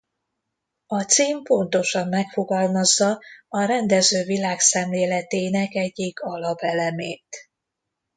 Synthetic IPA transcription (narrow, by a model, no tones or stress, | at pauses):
ɒt̪siːmpo̞nt̪o̞ʃɒmːɛkfo̞ɡɒlmɒzːɒɒɾɛnd̪ɛzøːvilaːksɛmleːlɛt̪eːnɛkɛɟːiɡɒlɒpɛlɛmeːt̪